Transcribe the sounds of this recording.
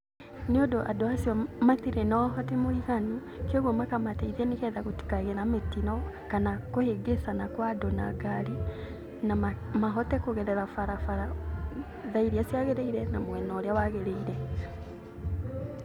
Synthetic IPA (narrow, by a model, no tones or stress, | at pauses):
niodoʔadoasiɔmaθiɾenɔɦɔtemoiɣanu | kioɣɔmakamateiðɛnekɛðaɣoti̥kaɣeɾametinɔ | kanakoheɡesanakwadonaɡaɾi | namaɦɔtɛkoɣɛɾɛɾafaɾafaɾa | ðaiɾiasjaɣeɾeiɾɛnamoɛnɔɾjawaɣeɾeiɾɛ